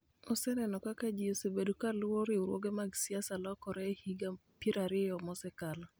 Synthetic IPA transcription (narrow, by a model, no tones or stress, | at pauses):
ɔsɛnɛnɔkakad͡ʒiosebedukalwoɾiuɾwo̰ɡemaɡsiasalɔkɔɾɛhiɡa | piɾaɾɪjɔmɔsɛkal